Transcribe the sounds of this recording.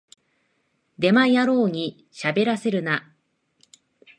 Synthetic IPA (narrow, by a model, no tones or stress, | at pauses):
d̪e̞majaɾo̞ːɲ̟i | ɕabe̞ɾase̞ɾɯ̟na